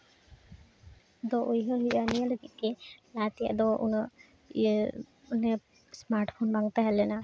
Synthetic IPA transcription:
d̪ɔʔojɦɔɦibanijaloɡit̪̚kɛlat̪ija̰ʔd̪ɔʔṵnɔ | unɛ | smaɾʈpʰonbaŋt̪aɦɛlɛna

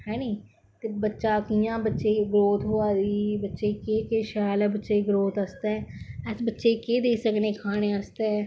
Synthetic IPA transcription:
hɛːneː | t̪eːbətːʃaːkijãːbətːʃeːɡɾoːt̪ɦoːaːd̪iːbətːʃeːkeːkeːʃaːlɛːbətːʃeːɡɾoːt̪əst̪ɛːɛsbətːʃeːkeːd̪eːsəkneːkʰaːñeːəst̪eː

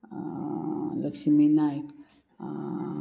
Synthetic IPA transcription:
ləkʃiminak

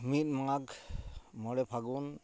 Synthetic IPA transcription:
mit̚maŋaɡ | mɔɽɛpʰaɡun

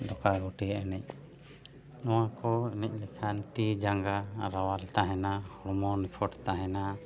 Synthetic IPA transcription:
d̪ɔkaɡuʈiʔɛnɛc̚ | nɔw̃akɔinɛc̚ˀlɛkʰant̪id͡ʒaŋɡaɾawalt̪aɦɛnahɔɽɔmɔnipʰɔʈt̪aɦɛna

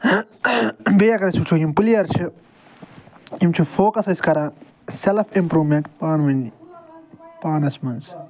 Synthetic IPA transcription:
beːɐkɐɾɐsut͡ʃʰujimpulijɐɾt͡ʃʰi | imt͡ʃʰufoːkɐsɐskɐɾãː | selfʰimpɾuːmẽɳʈpaːnʋɐni | paːnɐsmɐns

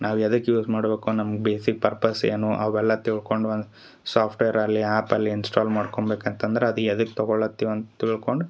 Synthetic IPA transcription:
nʔaːʋɛd̪ɐkjuːsmaːɽbeːkunɐmɐɡbeːsik̚pɐɾpɐsḛːnuʔɐʋɛlːɐt̪iɭko̞ɳɖond̪u | saːpʰʈʋeːɐɾɐlːiaːpɐlːiinsʈaːlmaːɖkoɳbeːkɐnt̪ɐnd̪ɐɾeɐd̪uɛd̪ɐkːt̪ɐɡoɭɐt̪ːiʋɐnt̪t̪iɭko̞ɳɖu

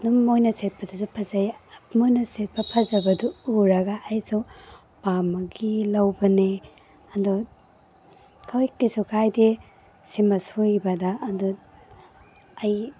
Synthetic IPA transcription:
numojnɐset̚pʰɐdusupʰɐzɐjmojnɐset̚pʰɐpʰɐzɐbɐduuɾɐɡaːjsu | bamɐɡilɐwbɐne | ɐndɔ | kʰawikisukʰajde | simɐsujbɐdaːndu | ɐj

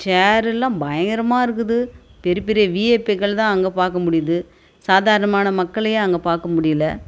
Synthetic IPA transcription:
t͡ʃaːɾɛlːãːbɐjɐŋɡɐɾɐmaːɪɾɯk̬ːɯðɯpɛɾɯpɪɾɪjɐʋiːeːpːekːɐɭt̪ãːɐŋɡɐpaːɾkɐmʊɽɪjɐðɯ | saːðaːɾɐɳɐmaːnɐmɐkːɐɭɐjɐ̃ɐŋɡɐpaːɾkɐmʊɽɪjɐlɐ

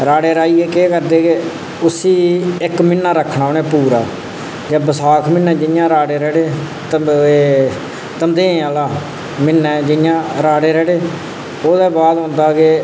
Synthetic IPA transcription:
ɾaːɽeːɾaːiːeːkeːkəɾd̪eːke | ʊsiːɪkmɪnːaːɾəkʰːɳaːoːnɛ̃ːpuːɾaː | d͡ʒaːbəsaːkʰmɪnːɛ̃ːd͡ʒɪjãːɾaːɽeːɾɛːɽeː | t̪əeː | t̪əmd̪ẽːaːlaː | mɪnːɛ̃ːd͡ʒɪjãːɾaːɽeːɾɛːɽeː | oːd̪ɛːbaːd̪ɦõːnd̪aːɡeː

